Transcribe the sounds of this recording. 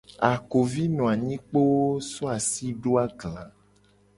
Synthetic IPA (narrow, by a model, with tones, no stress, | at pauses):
a˨ko˨vi˦nɔ̃˨a˨ɲĩ˦k͡po˦wo˦sɔ˦a˨si˦ɖo˦a˦ɡlã˨